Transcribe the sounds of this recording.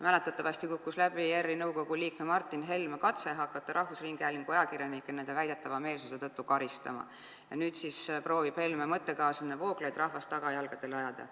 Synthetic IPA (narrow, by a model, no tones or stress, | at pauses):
mæle̞t̪ːˑɑt̪ːˑɑvɑsʲt̪ikukːˑuslæb̥ijerːinɤwko̞ɡ̥uliːkmemɑrt̪ːˑinɦe̞lmekɑt̪se̞ɦɑkːˑɑt̪ːˑɑɾɑhvusriŋɡ̥æliŋko̞jɑkirjɑnikːˑene̞nd̪e̞væjd̪̥e̞t̪ːˑɑvɑme̞ːlsuset̪ɤt̪ːˑukɑɾist̪ɑ̰mɑ̰ | jɑnyːt̪sispro̞ːvib̥he̞lmemɤt̪ːe̞kɑːsminevo̞ːklejd̪rɑhvɑst̪ːɑɡ̥ɑjɑlɡ̥ɑd̪̥e̞lɑjɑd̪̥ɑ̰